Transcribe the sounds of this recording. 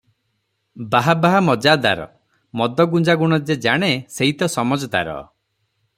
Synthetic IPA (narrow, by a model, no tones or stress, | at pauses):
baɦabaɦamɔd͡ʒad̪a̰ɾɔ̰ | mɔd̪ʱɔɡud͡ʒaɡuɽ̃ɔd͡ʒed͡ʒaɽ̃eseɦit̪ɔsɔmɔd͡ʒɔd̪a̰ɾɔ̰